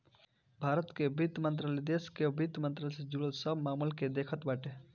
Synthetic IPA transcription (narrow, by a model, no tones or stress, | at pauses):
bʱaːɾət̪kebɪd̪mə̃nt̪̬ɾaːled̪eːskebɪd̪mə̃nt̪ɾaːlsed͡ʒuləlsəbmaːməlked̪eːkʰət̪baːʈe